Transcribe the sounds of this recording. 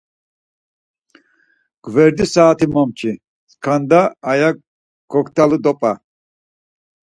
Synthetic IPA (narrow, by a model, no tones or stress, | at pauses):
ɡ̥vɛɾd̪isaːt̪ʰimɔmt͡ʃʰi | skʰand̪aːja | ɡ̥ɔkt̪ʰʼalud̪ɔpʼa